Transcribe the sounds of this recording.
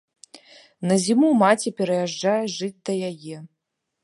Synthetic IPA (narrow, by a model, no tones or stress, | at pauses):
nɐzʲimuwmat͡sʲipʲɛɾɐjaʐːajɛʐɨt͡sʲd̪ɐjajɛ